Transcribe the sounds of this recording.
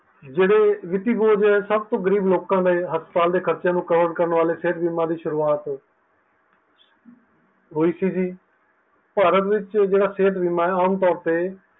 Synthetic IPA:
d͡ʒeːɽeːʋɪt̪iːboːd͡ʒɛsəbt̪õːɡəɾiːbloːkãːd̪eːɦəspə̥t̪aːld̪eːkʰəɾt͡ʃãːnũːkəʋəɾɖkəɾəɳʋaːleːseːʈbiːmãːd̪iːʃʊɾuːaːt̪ | ɦoːiːsiːd͡ʒiː | paːɾət̪ʋɪt͡ʃd͡ʒeːɽaːseːʈ̪biːmaːɛaːmt̪ɔːɾt̪eː

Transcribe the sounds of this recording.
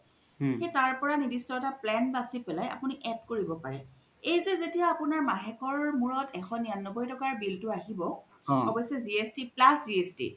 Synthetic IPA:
xetaɹpɔɹanibistɔɛtaplɛnbasipɛlajʔa̰puniʔɛdkoɹibɔpaɹɛ | ejzezetijaapunaɹmaɦɛkɔɹmuɹɔtɛxɔnijanːɔbɔjtɔkaɹbiltʊaɦibɔ | ɔbɔsɛziestiplasziestḭ

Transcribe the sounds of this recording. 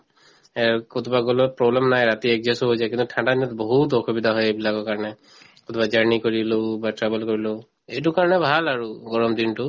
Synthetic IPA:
ɛkot̪ʰɔbaɡolɔpɹɔblɛmnajɹat̪iɛkzɛsuɦojzajkĩnt̪utʰãndad̪inɔt̪boɦut̪ɔxʰubid̪ʱaɦɔjejbilakɔkaɹɔnɛ | kot̪ʰɔbad͡ʒaɹnikoɹilobatɹɛbɛlkoɹiloʊ | ejt̬ʊkaɹɔnɛbʱalaɹuɡɔɹɔmd̪intʊ

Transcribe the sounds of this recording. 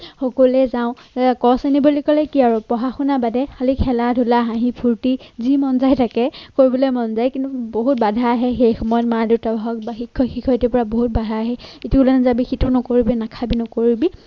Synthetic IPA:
xɔkolɛzaʊ̃kɔsanibɔlikɔlɛkiaɹɔpɔɦaxunabadɛxalikʰɛladʱulaɦãɦĩpʰuɹtizimɔnzajtʰakɛkoɹibɔlɔjmɔnzajkintuboɦut̚badʱaːɦɛxejxɔmɔjɔtmaditabʱaɦɔk̚baxikʰːɔxikʰɔtipɔɹaboɦut̚badʱaaɦɛetiulanɛzabixitʰɔnɔkoɹibinakʰabinɔkoɹibi

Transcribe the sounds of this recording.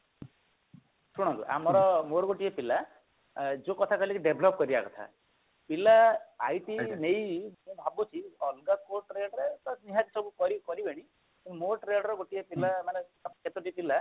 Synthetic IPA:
sʰuɽ̃ɔ̃nt̪ṵʔa̰mɔɾɔmoɾɡoʈiepila | d͡ʒokɔt̪ʰakɔilekiɖebʱlɔp̚kɔɾiba̰kɔt̪ʰa̰ | pilaa̰jʈinejmũbʱabut͡ʃʰiɔlɡakoʈɾeɖɾet̪ɔniɦat̪isɔbukɔɾikɔɾibeɽ̃i | moʈɾeɖɾɔɡoʈiepilamanekʰet̪ɔʈipila

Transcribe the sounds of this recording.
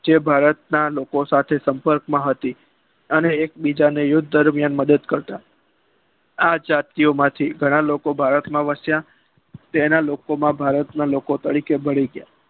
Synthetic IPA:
d͡ʒebʱaɾət̪nalokosat̪ʰesəmpəɾkmãɦət̪i | əneːk̚bid͡ʒanejʊd̪ʱd̪əɾmjanməd̪əd̪kəɾt̪a | ad͡ʒat̪iomãt̪ʰiɡʱəɽ̃alokobʱaɾət̪mãʋəsja | t̪enalokomãbʱaɾət̪nalokot̪əɽikebəɽiɡja

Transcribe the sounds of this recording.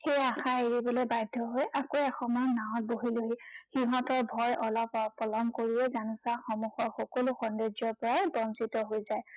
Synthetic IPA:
xejaxaeɹibɔlojbajdʱːɔɦojʔakoɛxɔmɔnaɔt̚boɦiloɦixiɦɔtɔɹbʱɔjʔɔlɔppːɔlɔmkoɹiɛzanusaxɔmuxɔɹxɔkoluxɔnded͡ʒɔɹpɔɹajbɔnsitɔɦojzaj

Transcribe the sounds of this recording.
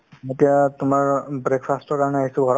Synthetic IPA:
mɔtijatʊmaɹbɹekpʰastɔɹkaɹɔnɛaɦisʊ̃ɡʱɔɹɔ

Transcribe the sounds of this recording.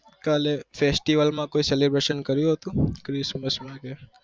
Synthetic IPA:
kalefesʈiʋəlmãkoiselebɾeʃənkəɾjũɦət̪ũkɾɪsməsmãke

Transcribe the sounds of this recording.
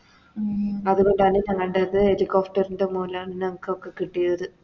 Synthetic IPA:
ɐðuɣo̞ɳɖɐːninɐŋːɐɭɳɖeðɨelikoːfʈɐɾinɖemuːlaːɳinɐŋukːokːe̞kːiʈːijɾɐðɨ

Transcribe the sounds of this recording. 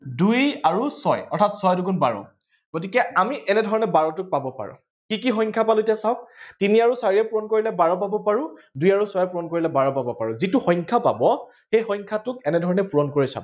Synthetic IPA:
dujaɹusɔjɔɹtʰatsɔjduɡunbaɹɔ̰ | ɡ̥ot̬ikɛamiʔɛnɛdʱɔɹɔnɛbaɹɔtʊk̚pabɔpa̰ɹʊ̰̃ | kikixɔjŋkʰapalʊetijasaʊk̚tiniaɹusaɹiɛpuɹɔnkoɹilɛbaɹɔp̬abɔpaɹʊ̃dujaɹusɔjɛpuɹɔnkoɹilɛbaɹɔpabɔpaɹʊ̃zitʊxɔjɲkʰapa̰bɔ | xejxɔjɲkʰatʊkɛnɛdʱɔɹɔnɛpuɹɔnkoɹisa̰bɔ

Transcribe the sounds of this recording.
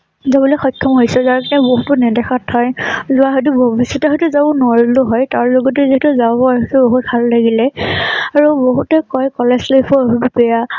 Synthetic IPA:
zabulɔjxɔjkʰːɔmɦojsɛzaɹkinɛboɦutʊnɛdɛxatʰhɔjzʊwaɦojtubʱobisːɔtɛɦɔjtuzabɔnʊaɹilʊɦɔjtaɹloɡɔtɛziɦtuzabɔaɦɔtuboɦut̚bʱalːaɡilɛaɹuboɦutɛkɔjkɔlɛslepʰɔɦububɛja

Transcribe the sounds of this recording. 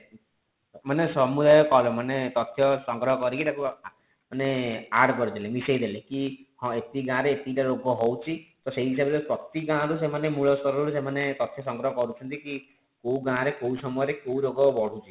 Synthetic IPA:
manesɔmud̪ajɔkɔlɔmanet̪ɔt̪ʰjɔsɔŋɡɾɔɦɔkɔɾikiʈaku | maneaɖkɔɾid̪elemisejd̪elekihɔ̃et̪iɡãɾeːt̪iʈaɾoɡɔɦowt͡ʃʰit̪ɔseɦiisabɔlepɾɔt̪iɡãɾus̬emanemuɭɔst̪ɔɾɔɾusemanet̪ɔt̪ʰjɔsɔŋɡɾɔɦɔkɔɾut͡ʃʰɔnt̪iki | kowɡãɾekowsɔmɔjɔɾekowɾoɡɔbɔɽ̤ut͡ʃʰi̥

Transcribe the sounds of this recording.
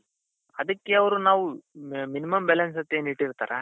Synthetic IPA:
ɐd̪ɐkːeɐʋɐɾunaːʋuminimɐmbɛlɐns̬ɐt̪ːeːniʈːiɾt̪a̰ːɾe

